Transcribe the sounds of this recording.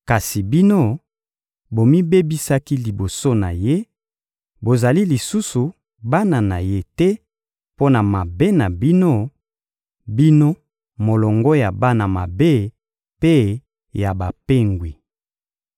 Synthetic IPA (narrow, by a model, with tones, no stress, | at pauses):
ka˨si˨bi˦no˦ | bo˨mi˦be˦bi˦sa˦ki˦li˨bo˨so˦na˨je˦ | bo˨za˨li˦li˨su˦su˨ | ba˦na˨na˨je˦tɛ˦ | po˦na˨ma˨be˦na˨bi˦no˦ | bi˦no˦ | mo˨lɔ˨ŋɡɔ˦ja˨ba˦na˨ma˨be˦ | pe˦ | ja˨ba˨pe˦ŋɡwi˨